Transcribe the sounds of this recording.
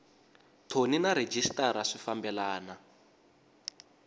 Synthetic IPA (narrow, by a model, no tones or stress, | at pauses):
tʰoninaɾed͡ʒistaɾaʂifambɛlaːna